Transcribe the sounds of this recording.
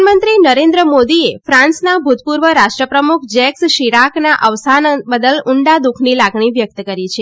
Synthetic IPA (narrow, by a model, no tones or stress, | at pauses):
mənt̪ɾinəɾẽnd̪ɾəmod̪iefɾãnsnabʱut̪puɾʋəɾaʃʈɾəpɾəmukʰd͡ʒɛksʃiɾaknaʔəʋsanbəd̪əlʊɳɖad̪ukʰnilaɡɳiʋjək̚t̪əkəɾit͡ʃʰe